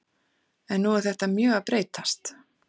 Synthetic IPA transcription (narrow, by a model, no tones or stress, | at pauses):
ɛnːuɛɾ̥θɛht̪amjœːɣaðpɾeːjt̪ast̪